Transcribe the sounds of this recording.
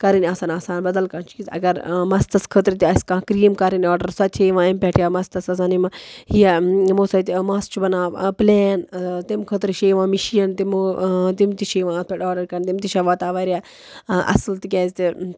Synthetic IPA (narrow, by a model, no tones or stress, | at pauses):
kɐɾinʲaːsaːnaːsaːnbɐd̪ɐlkaːt͡ʃiːzɐ̰ɡɐɾmɐst̪ɐskʰət̪ɾit̪iɐsʲkãːkɾiːmkɐɾinɔːɖɐɾsɐt̪ʰeːʋãːɐmpʲɛʈʰjaːmɐst̪ɐsɐs̬aːnimɐhijɐmoːsɐt̪ʲmaːst͡ʃʰubɐnaːpleːnt̪imkʰət̪ɾiʃeːʋãːmiʃijɐnt̪imot̪imt̪iʃeːʋãːt̪̚pʰeʈaːɖɐɾkɐnt̪imt̪iʃɐʋaːt̪aːʋaːɾʲjaː | ʔɐ̰slt̪ikʲɛːzʲt̪i